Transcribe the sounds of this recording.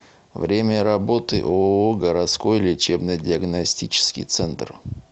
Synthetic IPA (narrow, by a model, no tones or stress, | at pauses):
vɾʲemʲəɾɐbo̞t̪ɨ̰ʔooɡəɾɐt̪sko̞jlʲɪt͡ɕebnəjdʲɪəɡnɐsʲtʲit͡ɕɪ̥skʲɪ̰jt̪sɛnt̪r